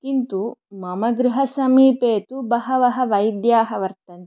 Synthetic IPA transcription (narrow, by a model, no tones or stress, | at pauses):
kint̪umɐmɐɡɾuɦɐsɐmiːpeːt̪ubɐɦɐʋɐɦɐʋɐjd̪jaːɦɐʋɐɾt̪ɐn